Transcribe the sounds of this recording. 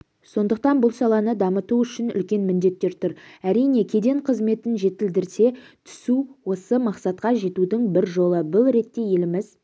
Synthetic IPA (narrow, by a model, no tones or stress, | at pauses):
so̞nd̪əq̚t̪ɑnbʊlˠsɑlˠɑnəd̪ɑmət̪uʏʃɪnʏ̰lkʲe̞nmɪnd̪e̞t̪ːe̞ɾt̪ʰʊɾæɾijne̞kʲʰe̞d̪e̞ɴqʰəzme̞t̪ɪnʒe̞t̪ɪld̪ɪɾse̞t̪ʰʏ̥suwo̞səmɑqsɑt̪̚qɑʒe̞t̪ud̪ɪŋbɪɾʒo̞lˠəbʊlˠɾe̞t̪ːe̞je̞lɪmɪz̥